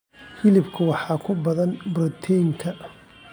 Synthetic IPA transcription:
hɪlɪbkʰʊwɑħɑːkʰʊbɐðɐnbɾɔt̪ʰɛjŋkʰɐ

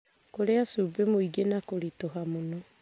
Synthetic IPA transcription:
koɾeasubemoiɡenakoɾitoɦamono

